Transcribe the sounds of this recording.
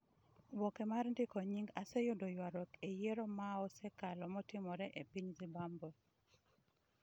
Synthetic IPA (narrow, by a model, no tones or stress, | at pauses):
wɔkemarndɪkɔɲiŋɡasɛjʊdojwaɾɔkejeɾɔmaɔsɛkalɔmɔtɪmɔɾɛʔepiɲzibambɔ